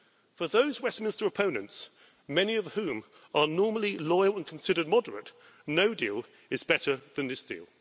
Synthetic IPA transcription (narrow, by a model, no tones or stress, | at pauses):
fəðəʊzwɛsmɪ̃nstə˞əpʰə̃ʊ̃nə̃nts | mɛniʌv̥hʉ̃ːm | ʔənɔɹməl̩ˠilɔɪəlˠə̃nkʰn̩sɪɾəd̚mɒdəɹə̰t | nəʊdiːlˠ | ɪzbɛɾə˞ðɨ̃nðɪsd̥ḭːlˠ